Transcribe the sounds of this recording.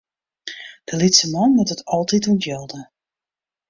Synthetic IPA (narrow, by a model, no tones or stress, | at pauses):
d̥əlitsəmɔnmutətʰɔlˠtituntjɔlˠdə